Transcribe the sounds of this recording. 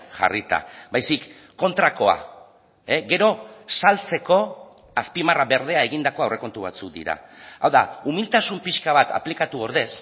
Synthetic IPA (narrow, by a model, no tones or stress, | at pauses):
ʝa̰rit̪a̰bajsikː | o̞nt̪ɾako̞a̰ | eɡe̞ɾo̞salt͡se̞ko̞ | aspimaraβe̞ɾð̞e̞aeɣ̞ind̪ako̞awrʔe̞ko̞nt̪uβ̞a̰t͡suk̚d̪ḭɾa̰a̰wðaumilt̪asumpiʃkaβ̞at̪ʰa̰plikat̪uoɾðe̞s